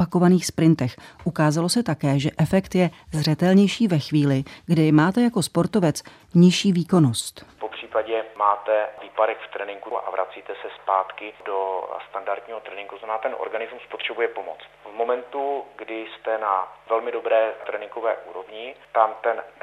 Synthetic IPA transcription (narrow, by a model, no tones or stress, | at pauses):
pako̞vaniːxspɾɪnt̪ɛxʔukaːzalo̞sɛt̪akɛːʒɛʔɛfɛkt̪jɛzrɛt̪ɛlɲɛjʃiːvɛxviːlɪɡdɪmaːt̪ɛjako̞spo̞ɾt̪ovɛt͡s | ɲɪʃiːviːko̞no̞st̪popr̝̥iːpaɟɛmaːt̪ɛviːpadɛxft̪ɾɛnɪŋɡuʔa̰vɾʔa̰t͡siːt̪ɛsɛspaːt̪kɪdost̪andaɾd̪ɲiːɦot̪ɾɛnɪ̃ŋɡut̪oznamɛnaːt̪ɛnʔo̰ɾɡanɪzmuspot̪r̝̥ɛbujɛpomo̰t͡st̪vmo̞mɛnt̪uɡdɪst̪ɛnavɛlmɪdo̞bɾɛːt̪ɾɛnɪŋɡovɛːʔuːɾo̞vɲɪt̪amt̪ɛn